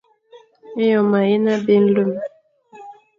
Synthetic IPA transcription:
e˦jɔ˨ma˨e˦na˦be˦n̩˦lu˦˨m

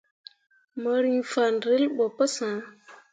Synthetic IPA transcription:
mə˨ɾi˦ŋfa˨nɾə˦lɓo˨pə˦sã˨˦

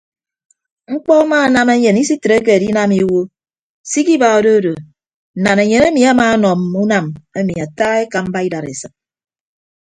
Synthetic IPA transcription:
ŋ͡m̩˦k͡pɔ˦a˦ma˦˨na˦me˦ɲe˨ni˦si˦tɾe˦k̬e˨di˦na˦mi˦wo˦ | si˦ki˦ba˨o˨do˦do˨ | na˨ne˨ɲe˨ne˦mi˨a˦maː˦nɔ˨m˨u˦na˨me˦mi˨a˨taː˦e˦ka˨m̩˦ba˦i˦da˨ɾḛ˨sɨ˨k̚

